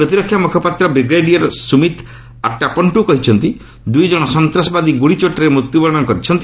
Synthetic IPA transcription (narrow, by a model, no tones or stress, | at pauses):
pɾɔt̪iɾɔkʰːjamukʰɔpat̪ɾɔbeɡɾeɖiaɾɔsumit̪ | a̰ʈːapɔɳʈukɔɦit͡ʃʰɔnt̪i | d̪ujd͡ʒɔɽ̃ɔsɔnt̪ɾɔsɔbad̪iɡuɽit͡ʃoʈɔɾemɾut̪jubɔɭɔɽɔ̃nɔkɔɾit͡ʃʰɔnt̪i